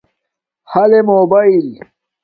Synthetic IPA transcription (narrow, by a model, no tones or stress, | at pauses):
hɐlemoːbail